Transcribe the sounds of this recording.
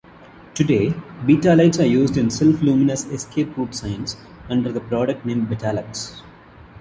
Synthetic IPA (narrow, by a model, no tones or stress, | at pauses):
ʈuɖeːbiːʈaːlaɪʈsaːɾjuːzɖɪ̃nsɪlflũːmɪnəseskʰeːpɾuːʈsãɪə̃ns | ʌ̃ɳɖəɾd̪əpɾɔːɖək̚ʈnẽːmɖbɛʈæːlək̚ʈs